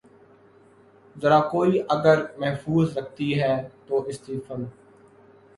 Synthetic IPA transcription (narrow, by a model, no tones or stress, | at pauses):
zəɾaːkoːiːʔəɡəɾmɛɦfuːzɾək̚ʰt̪iːɦɛːt̪oːʔɪst̪iːfʰəl